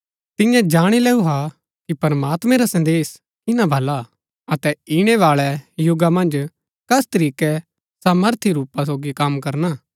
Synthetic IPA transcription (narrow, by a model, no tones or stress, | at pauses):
t̪ɪ̃jãd͡ʒaːɽ̃ilɛːuɦa | kipɐɾmaːt̪mɛ̃ɾasɐ̃nd̪eːs | kɪnãbʱɐla | ɐt̪ɛɪɽ̃ɛʋaːɭɛjʊɡamɐ̃nd͡ʒ | kɐst̪ɐɾiːkɛ | saːməɾt̪ʰiɾuːpːas̬oːɡikɐmkɐɾna